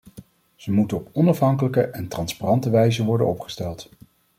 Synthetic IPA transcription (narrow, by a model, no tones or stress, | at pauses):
z̥əmutənɔpɔnɑfɦɑŋkələkəʔɛntrɑnsparɑntəʋɛjzəʋɔɹdənɔpχə̥stɛlˠt